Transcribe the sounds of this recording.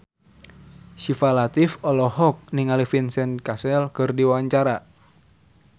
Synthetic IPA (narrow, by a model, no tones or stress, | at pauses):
ʃifalat̪ifɔlɔhɔk̚niŋalifinsɛnkasɛlkɨrdiwawaɲt͡ʃaɾa